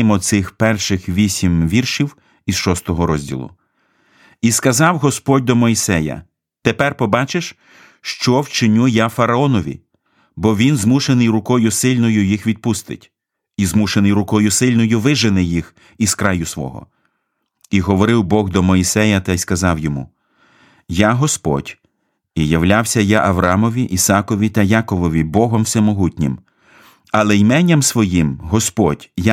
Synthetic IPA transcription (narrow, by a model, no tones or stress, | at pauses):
mɔt̪sɪxpɛrʃɪxʋʲisʲimʋʲirʃiw | isʃɔst̪ɔɦɔɾɔzʲdʲḭlˠʊ̰ | iskɐzɑwɦɔspɔd̚ʲd̪ɔmɔisɛjɐ̰ | t̪epɛrpɔbɑt͡ʃeʃ | ʃt͡ʃɔwt͡ʃɪnʲujafɐɾɐɔnɔʋʲḭ | bɔʋʲinzmuʃenɪjɾʊkɔjʊsɪlʲnɔjʊjixʋʲid̪̚pust̪ɪ̰tʲ | izmuʃenɪjɾʊkɔjʊsɪlʲnɔjʊʋɪʒɪnɛjix | iz̥kɾɑjʊsʋɔ̰ɦɔ̰ | iɦɔʋɔɾɪwbɔɣd̪ɔmɔisɛjɐt̪ɐjskɐzɑwjɔmṵ | jaɦɔspɔ̰dʲ | ijɐwlʲawsʲɐjaʔɐʋɾɑmɔʋʲiʔisɑkɔʋʲit̪ɐjɑkɔʋɔʋʲibɔɦɔmwsɪmːɔɦutʲnʲḭm | ɐlˠɛjmɛnʲːɐmsʋɔjimɦɔspɔd̥ʲja